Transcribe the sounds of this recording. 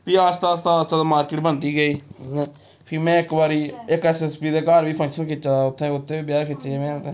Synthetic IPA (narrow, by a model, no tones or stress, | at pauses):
piːaːst̪aːst̪aːst̪aːd̪aːmaːɾkɪːʈbənd̪iːɡəĩː | pʰɪmɛ̃ːɪkbaːɾiːɪkɛːsɛːspiːd̪eːkaːɾʋiːpʰə̃ŋkʃənkʰɪt͡ʃaːʊt̪ʰːẽːʊt̪ʰːẽːiːbjaːɾkʰɪt͡ʃeːmɛ̃ːt̪ẽ